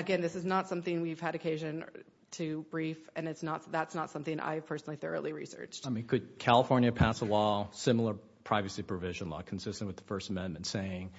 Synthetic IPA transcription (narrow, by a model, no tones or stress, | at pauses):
ɨɡɛ̃nðɪsɨznətsʌ̃mθɪ̃ŋwiv̥ɨɾɨkʰeɪʒɨ̃n | tʰɨbɹifɨ̃nɨtsnətðætsnətsʌ̃mθɪ̃ŋʔa̰ɪɨv̥pʰɜ˞sn̩l̩ˠiθɜ̰˞əlˠiɹḭsɜ̰˞t͡ʃt̚aɪmĩnkʰɨd̚kʰælˠəfɔɹnjɨpʰæsəlɔsɪ̃ml̩ˠə˞ | pʰɹ̥aɪvɨsipʰɹ̥ɨvɪʒɨ̃nlɔ̰kʰn̩sɪstnʔwɨðəfɜ˞stəmɛ̃nmɨ̃n̩tseɪɪ̃ŋ